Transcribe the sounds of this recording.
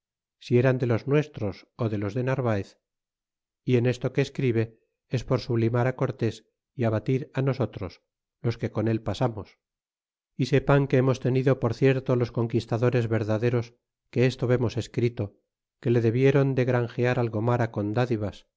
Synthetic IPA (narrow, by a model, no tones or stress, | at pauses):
sie̞ɾand̪e̞lo̞znwe̞st̪ɾo̞soðe̞lo̞zðe̞naɾβaeθ | ie̞ne̞st̪o̞keːskɾiβe̞ | espo̞ɾsuβlimaɾako̞ɾt̪e̞s | iaβat̪iɾano̞so̞t̪ɾo̞s | lo̞ske̞ko̞ne̞lpasamos | ise̞paŋke̞emo̞st̪e̞niðo̞poɾθje̞ɾt̪o̞lo̞sko̞ŋkist̪aðo̞ɾe̞zβe̞ɾðaðe̞ɾo̞s | ke̞est̪oβe̞mo̞se̞skɾit̪o̞ | ke̞le̞ðe̞βje̞ɾo̞nd̪e̞ɣɾaŋxeaɾalɣo̞maɾako̞nd̪aðiβas